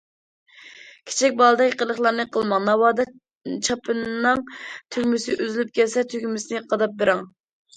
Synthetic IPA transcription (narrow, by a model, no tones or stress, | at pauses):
kʲʰe̥t͡ʃʰɛk̚ʲbɑlˠɨd̪ɛkʲqəlˠəχlˠɑɾnɨqʰəlˠmɑŋnɑwɑːd̪ɑ | t͡ʃʰɑpʰɨnːɨŋt̪ʰykʲmysɪʔyzɪlyp̚kʲɛlsɛt̪ʰykʲmysɪnɪqʰɑd̪ɑp̚beɾɪŋ